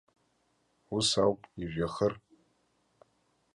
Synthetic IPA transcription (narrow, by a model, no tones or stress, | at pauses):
usawpʼiʒᶣaχər